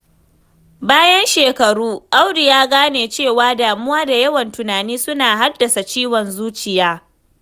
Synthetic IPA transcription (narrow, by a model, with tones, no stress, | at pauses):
baː˦jɐ˦nʃeː˨kɐ˨ɾuː˦ʔa˦wdɪ˨jaː˦ɡaː˦neː˨t͡ʃeː˦˨waː˦daː˨mʊ˦waː˦da˨jɐ˦wɐ˨ntʊ˨naː˨niː˦sʊ˦naː˨ɦa˦dːɐ˨sa˨t͡ʃiː˦wɔ˨nzuː˦t͡ʃɪ˨jaː˦